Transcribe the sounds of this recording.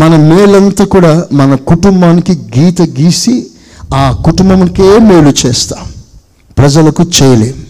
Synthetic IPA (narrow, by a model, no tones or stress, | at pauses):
mɐnɐmeːɭɐnt̪aːkuːɽaːmɐnɐkuʈumbaːnikiɡiːt̪ɐɡiːsi | aːkuʈumbɐmkeːmeːlut͡ʃɛːst̪ḁː | pɾɐd͡ʒɐlɐkut͡ʃɛːjɐleːmu